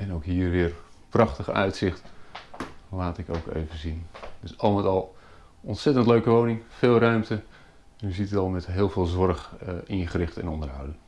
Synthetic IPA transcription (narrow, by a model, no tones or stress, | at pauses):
ɛnowkɦiːrʋɪːrprɑχtəχəœ̰ɥtsɪχt | laːtɪko̰wkḛjvənzind̥øsɑlˠmətɑlˠ | ɔntsɛtəntløɥkəʋownɪŋfɪːlˠrœɥmtə | ɛnjəzitətɑlˠmɛtɦɪːlˠveːlˠzʋɔɹχɪ̃nχərɪχtɛ̰nɔndəɹɦʌwdən